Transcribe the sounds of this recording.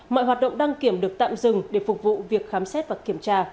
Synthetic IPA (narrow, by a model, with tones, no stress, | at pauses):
mɔ̰˧˨jɦwaː˨˩t̚ɗə̰˧˨ŋ͡mɗa˧ŋki˧˩əmɗɨ˨˩ək̚t̪a̰ː˧˨mzɨ˨˩ŋɗe˧˩fʊ˨˩k͡p̚vṵ˧˨vi˨˩ək̚xaː˨˦msɛ˦˥t̚vaː˨˩ki˧˩əmt͡ɕaː˧